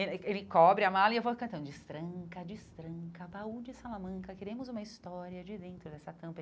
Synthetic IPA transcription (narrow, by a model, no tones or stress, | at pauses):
elɪelɪkɔbɾɪamalɐɪewvokɐ̃nt̪ɐ̃d̪ʊd͡ʒɪst̪ɾɐ̃ŋkɐd͡ʒɪst̪ɾɐ̃kɐbaud͡ʒɪsalamɐ̃ŋkɐkeɾẽmʊzũmɐist̪ɔɾiɐd͡ʒɪd̪ẽnt̪ɾʊd̪ɛsɐt̪ɐ̃mpɐ